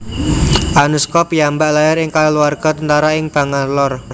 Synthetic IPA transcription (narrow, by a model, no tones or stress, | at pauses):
ʔanuskɔpjambaʔlajaɾɪŋkaluarɡ̥ɔ̤t̪ənt̪aɾaɪŋb̥a̤ŋanlɔr